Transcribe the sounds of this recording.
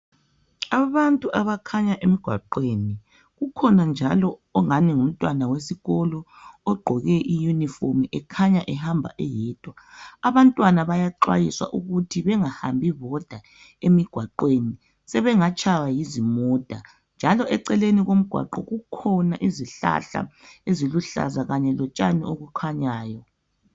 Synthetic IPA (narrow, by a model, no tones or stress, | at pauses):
aβantʼuʔaβakʰaɲaʔemiɡ̥ʱwa̰ǃweni | ɣukʰɔnand͡ʒʱalɔɔŋaniŋum̩tʼwanawesiɣɔlɔ | ɔɡ͡ǃʱɔɣɛʔijunifomʔɛkʰaɲaʔɛhambʱa̰ʔɛjɛːtʼwaːβantʼwanaβajaǃwa̰jiswa̰ʔuɣutʰiβɛŋahambʱiβɔd̥ʱa | emiɡ̥ʱwaǃweni | sɛβɛŋat͡ʃʰʼawajizimɔd̥ʱa | nd͡ʒʱalɔʔɛǀɛleniɣom̩ɡ̥ʱwa̰ǃɔɣukʰɔnaʔiziɬa̰ɬa̰eziluɬa̰zaɣaɲɛlɔt͡ʃʼanḭoɣukʰaɲaːjɔ